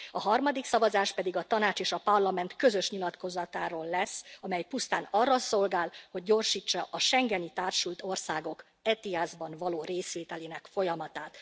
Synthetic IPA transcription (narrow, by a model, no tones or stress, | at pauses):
ɒɦɒrmɒd̪iksɒvɒzaːʃpɛd̪iɡɒt̪ɒnaːt͡ʃeːʃɒpɒrlɒmɛnt̪kø̞zø̞ʃɲilɒt̪ko̞zɒt̪aːɾoːlːɛsːɒmɛjpust̪aːnɒrːɒso̞lɡaːlho̞ɟ̚ːo̞rʃiːt͡ʃːɒʔɒʃɛŋɡɛnit̪aːrʃult̪o̞rsaːɡo̞k | ɛt̪iazbɒnvɒloːɾeːsʋeːt̪ɛleːnɛkfo̞jɒmɒt̪aːt̪